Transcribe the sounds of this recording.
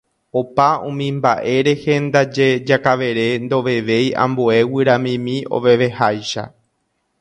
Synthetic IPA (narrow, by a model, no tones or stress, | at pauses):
opaũmĩmbaʔe̞ɾe̞hẽ̞nd̪ad͡ʒe̞d͡ʒakaʋe̞ɾe̞nd̪o̞ʋe̞ʋe̞jã̰mboe̞wɨɾãmĩmĩo̞̰ʋe̞ʋe̞hajʃa̰